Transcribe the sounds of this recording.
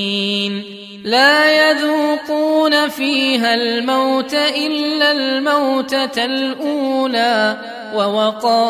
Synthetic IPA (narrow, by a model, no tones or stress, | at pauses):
n | laːjaðuːquːnafiːɦalmawt̪aʔɪlːalmawt̪aalʔuːnaː | wawɑqɑː